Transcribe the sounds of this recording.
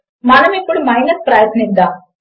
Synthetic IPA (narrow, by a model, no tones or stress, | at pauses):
maːnɐmẽkʊɽmaːɪnət̪̚pɾaːjət̪nĩnd̪aː